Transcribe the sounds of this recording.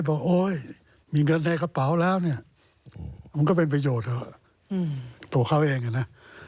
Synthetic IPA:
jbɔː˨˩k̚ʔoː˧˥j | miː˧˦ŋɤ˧nːa˧jka˧pa˨˩˦wlɛː˦˥˩wni˥˩ɐ | ma˧nkɔː˥˩pe˧npɾa˧joː˨˩t̪̚ɔ˧˩˧ | t̪u˧ɐkʰa˦˥˩wʔeː˧ŋa˧˩na˦˥

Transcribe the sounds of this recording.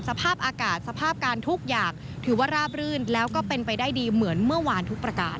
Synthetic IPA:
sa˧pʰaː˥˩p̚ʔaː˧kaː˨˩t̪̚sa˧pʰaː˥˩p̚kaː˧nt̪ʰu˦˥k̚jaː˨˩k̚ | t̪ʰɯː˩˦waː˥˩ɾaː˥˩p̚ɾɯː˥˩nlɛː˦˥wkɔː˥˩pe˧npa˧jdaː˥˩jdiː˧mɯ˩˦ənmɯ˥˩ɐwaː˧nt̪ʰu˦˥k̚pɾa˧ka̰ː˧˩n

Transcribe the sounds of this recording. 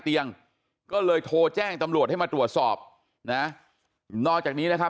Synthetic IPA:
t̪i˧əŋ | kɔː˥˩lɤː˧jt̪ʰoː˧t͡ɕɛː˥˩ŋt̪a˧mɾu˨˩ət̪̚ha˥˩jmaː˧t̪ɾu˨˩ət̪̚sɔː˨˩p̚ | na˦˥ | nɔː˥˩k̚t͡ɕaː˨˩k̚niː˦˥na˦˥kʰa˦˥

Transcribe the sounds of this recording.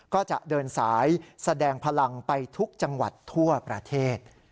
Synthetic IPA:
kɔː˥˩t͡ɕa˨˩ʔdɤː˧nsaː˩˦jsa˧dɛː˧ŋpʰa˧la˧ŋpa˧jt̪ʰu˦˥k̚t͡ɕa˧ŋwa̰˨˩t̪ʰːu˥˩ɐpɾa˧t̪ʰeː˥˩t̪̚

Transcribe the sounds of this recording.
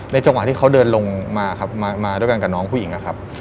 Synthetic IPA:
na˧jt͡ɕa˧ŋwa˨˩t̪ʰiː˥˩kʰa˦˥wdɤː˧nlo˧ŋmaː˧˩kʰa˦˥p̚maː˧maː˧du˥˩˨jka˧nka˨˩nɔː˦˥ŋpʰuː˥˩˨ji˨˩˦ŋʔa˧˩kʰa˦˥p̚

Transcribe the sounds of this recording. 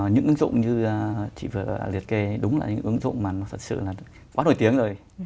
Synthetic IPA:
ɲɨ̰˧˥ʔɨ˨˦ə˦ŋzʊ̰˧˨ŋ͡mɲɨ˧˨˩t͡ɕḭ˧˨vɨ˨˩ə˧˨˩li˨˩ət̚ke˧˩ɗʊ˨˦ŋ͡mlaː˨˩ɲɨ̰˧˥ŋʔɨ˨˦əŋzʊ̰˧˨ŋ͡mmaː˨˩nɔ˨˦t̪ʰə˨˩t̚sɨ̰˧˨laː˨˩ | kwaː˨˦no̰˧˩jt̪i˨˦əŋzo˨˩j

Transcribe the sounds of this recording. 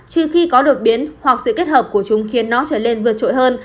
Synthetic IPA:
t͡ɕɨ˧˩xi˧kɔ˨˦ɗo˨˩t̚ɓi˨˦ənhwa˨˩k̚sɨ̰˧˨ke˦˥t̚həː˨˩p̚ku˧˩ət͡ɕʊ˨˦ŋ͡mxi˨˩ənːɔ˨˦t͡ɕəː˧˩ne˧nvɨ˨˩ət̚t͡ɕo̰˧˨jɦəː˧n

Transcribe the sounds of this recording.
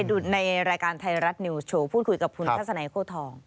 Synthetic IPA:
jduː˨˩t̪̚na˧jɾaː˧jkaː˧nt̪ʰa˧jɾa˦˥t̪̚ni˧wt͡ɕʰoː˧pʰuː˥˩t̪̚kʰu˧jka˨˩p̚kʰu˧nʰaː˥˩sa˧na˨˦kʰoː˥˩t̪ʰɔː˧ŋ

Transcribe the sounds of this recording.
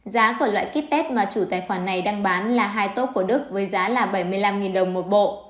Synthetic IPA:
zaː˨˦ku˧˩əlwa̰ː˧˨jki˦˥t̚t̪ɛ˦˥t̚maː˨˩t͡ɕu˧˩t̪aː˨˩jxwaː˧˩nːa˨˩jɗa˧ŋɓaː˨˦nlaː˨˩ɦaː˧jt̪o˦˥t̚ku˧˩ə˦ɗɨ˦˥ək̚vəː˨˦jzaː˨˦laː˨˩ɓə˧˩jmɨ˧əjla˧mŋi˨˩nɗə˨˩wŋ͡mmo˨˩t̚ɓo̰˧˨

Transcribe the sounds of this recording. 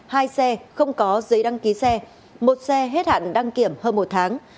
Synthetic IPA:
haː˧jsɛ˧xə˧wŋ͡mkɔ˨˦zə˨˦jɗa˧ŋki˨˦sɛ˧ | mo˨˩t̚sɛ˧ɦe˦˥t̚ha̰ː˧˨nɗa˧ŋki˧˩əmhəː˧nmo˨˩t̚t̪ʰaː˨˦ŋ

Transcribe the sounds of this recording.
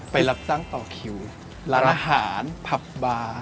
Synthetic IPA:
pa˧jla˦˥p̚t͡ɕa˥˩ŋt̪ɔː˨˩kʰi˨˩w | laː˦˥nʔaː˧ɦaː˩˦npʰa˨˩p̚baː˧

